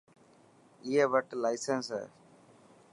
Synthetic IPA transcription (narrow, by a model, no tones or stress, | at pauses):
iːeʋəʈlaɪsensə̰